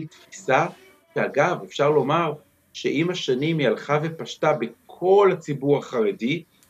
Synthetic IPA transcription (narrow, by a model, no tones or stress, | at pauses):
t̪fisa | ʃeaɡavefʃaʁlo̞maʁ | ʃe̞ʔimaʃanimjalχave̞paʃtabekʰo̞lat͡sibuʁaχaʁedi